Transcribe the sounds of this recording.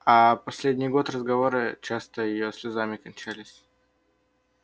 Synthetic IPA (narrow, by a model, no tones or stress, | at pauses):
apɐsʲlʲedʲnʲɪjɡo̞t̪rəzɡɐvo̞ɾɨt͡ɕast̪əjɪjosʲlʲɪzamʲɪkɐnʲt͡ɕælʲɪsʲ